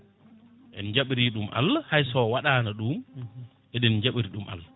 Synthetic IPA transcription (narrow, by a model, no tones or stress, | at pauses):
ʔɛnd͡ʒaɓɾiɗumʔa̰lːahajsɔwaɗaːnaɗum | ʔɛɗɛnɲd͡ʒaɓɾiɗumʔa̰lːa